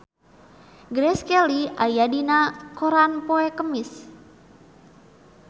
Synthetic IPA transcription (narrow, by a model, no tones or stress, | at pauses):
ɡɾɛskɛliajadinakoɾanpoɛkəmis